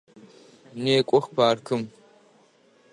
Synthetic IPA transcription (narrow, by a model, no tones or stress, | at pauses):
neːkʷʼɔxpʰaːrkʰɨm